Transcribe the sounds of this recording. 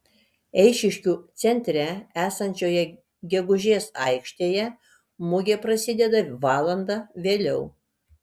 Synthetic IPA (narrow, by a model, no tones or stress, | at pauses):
ɛɪʃʲɪʃʲkʲuːt̪sʲɛnʲt̪ʲɾʲææːsɐnʲt͡ʃʲoːjɛ | ɡʲɛɡʊʒʲeːsɐɪkʃʲt̪ʲeːjɛ | mʊɡʲepɾɐsʲɪd̪ʲɛd̪ɐʋɑːlˠɐnd̪ɑʋʲeːlʲɛʊ